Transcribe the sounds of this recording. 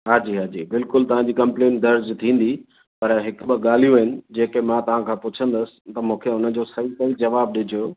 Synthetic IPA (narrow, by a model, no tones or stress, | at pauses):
ɦaːd͡ʑiːɦaːd͡ʑiːbɪlkʊlt̪ɐʋãɲd͡ʑiːkɐ̃mpleːnʈd̪ɐɾd͡ʑt̪ʰĩːn̆d̪i | pɐɾɦɪkɓəɠaːl̤ijũɦɪnɪ̆d͡ʑeːkemãt̪ɐʋ̤ãkʰãːpʊt͡ɕʰə̃nd̪əsɪ̥̆t̪ɐmũːkʰeʊnə̆d͡ʑoːsɐɦisɐɦid͡ʑɐʋaːb̚ɗɪd͡ʑʱijoː